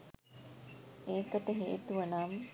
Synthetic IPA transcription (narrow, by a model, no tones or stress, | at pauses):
eːkəʈəɦeʔːt̪uʋɐnaːmə